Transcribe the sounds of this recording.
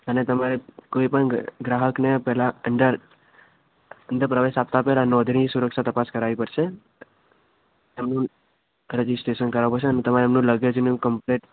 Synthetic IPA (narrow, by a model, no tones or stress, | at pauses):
ənet̪əmaɾekoipəɳɡɾaɦəknepɛɦlaənd̪əɾ | ənd̪əɾpɾəʋeʃap̚t̪apɛɦlanɔd̪ʱnisuɾəkʃat̪əpaskəɾaʋipəɾʃe | emnũ | ɾed͡ʒisʈɾeʃənkəɾaʋupəɾʃeənet̪əmaɾeemnũləɡed͡ʒnũkəmpleʈ